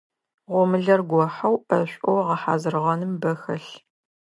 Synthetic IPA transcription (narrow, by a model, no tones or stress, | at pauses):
ʁʷɔmɨɮɐrɡʷɔħɐwɐɕʷʼɔwʁɐħa̰ːzɨrʁɐnɨmbɐxɐɬ